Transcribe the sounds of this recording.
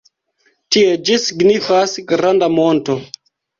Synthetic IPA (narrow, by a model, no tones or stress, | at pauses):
tie̞d͡ʒisiɡnifasɡɾandamo̞nto̞